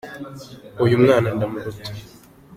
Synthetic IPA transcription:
ujumŋaːnandamuɾutḁ

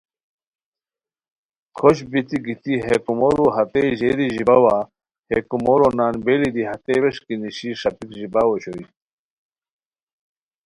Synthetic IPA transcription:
kʰoɕbit̪iɡit̪iɦekumoɾuɦɐt̪eʑed̪iʑibɐwa | hekumoɾonaːnbelid̪iɦɐt̪eweʂkiniɕiʂɐpikʑibaːwoɕoi

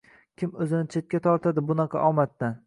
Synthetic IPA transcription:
kʲʰɪmɵzɪnɪt͡ʃʰe̞t̪̚kʲat̪ʰɒɾt̪ʰad̪ɪbʊnɑqʰɑ̰ʔɒmat̪ːan

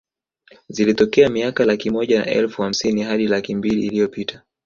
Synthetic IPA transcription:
zilitɔkɛamiakalakimɔʄana̰ʔɛ̰lfuham̩siniɦaɗilakimbiliːlijɔpitʰḁ

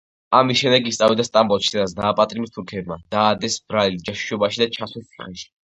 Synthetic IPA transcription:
amisʃɛmd̪ɛɡist̪sʼavid̪ast̪ʼambɔʃid̪ɛnasd̪aːpʼat̪ʼimist̪ʰuɾkʰɛbmad̪̥aːd̪ɛsbɾalid͡ʒaʃi̥ʃɔbaʃid̪at͡ʃʰaswɛst̪ʰiχɛnʃi̥

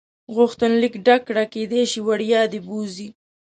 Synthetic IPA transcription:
ɣʊxt̪ənlikɖakːɽaked̪eʃiwaɽjɑd̪ebuzi

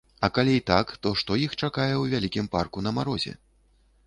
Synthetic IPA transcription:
ɐkalʲijt̪akt̪ɔʂt̪ɔjixt͡ʂakajɛwvʲalʲikʲimparkun̪ɐmaɾɔzʲɛ̰

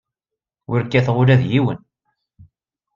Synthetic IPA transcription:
wʊɾkːæθʁʊɾæðjiwə̰n

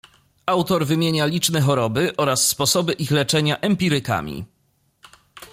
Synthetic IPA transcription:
awt̪ɔɾvɘmʲjeɲalʲit͡ʂnɛxɔɾɔbɘʔɔɾasːpɔsɔbɘʔixlɛt͡ʂɛɲaʔɛmpʲiɾɘka̰mʲḭ

